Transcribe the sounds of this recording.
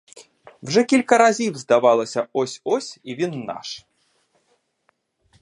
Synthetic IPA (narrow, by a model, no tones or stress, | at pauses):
wʐɛkʲilʲkɐɾazʲiwzd̪avalˠɐsʲɐɔsʲɔsʲivʲinːa̰ʂ